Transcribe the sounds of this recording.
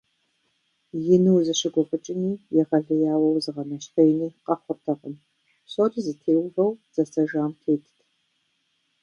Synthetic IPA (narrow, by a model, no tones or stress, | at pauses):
jɪnɨwzɨɕɨɡʷʊχət͡ʃʼɪniːjɛʁɐɮɨjaːwɐwzɨʁɐnɐɕχejniːqɐχʷʊrtʰɐqʼən | ɕotʼzɨtʰeːwʁɐwz̥ɐsɐʒaːmtʰeːtʰtʰ